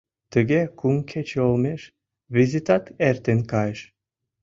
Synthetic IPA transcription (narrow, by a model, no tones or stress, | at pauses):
t̪ə̆ɡekuŋkʰet͡ɕeolˠmeʃ | βezʲit̪ɑt̪eɾt̪enkɑjəʃ